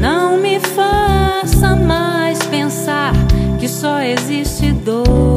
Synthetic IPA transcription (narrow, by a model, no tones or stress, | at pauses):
nɐ̃w̃mɪfasɐmajspẽsaɾkɪsɔeziʃt͡ʃɪd̪o